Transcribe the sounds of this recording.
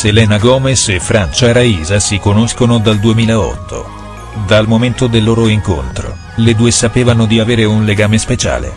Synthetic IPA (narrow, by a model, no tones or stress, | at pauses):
selɛːnaɡɔːmesefːɾant͡ʃaɾaiːzasikonoskonod̪ald̪uemiːlaɔ̰t̪ʰːo̰ | d̪almoment̪od̪elːoːɾoiŋko̰nt̪ɾo̰ | led̪uːesapeːvanod̪iaveːɾeunleɡaːmespet͡ʃa̰ːlḛ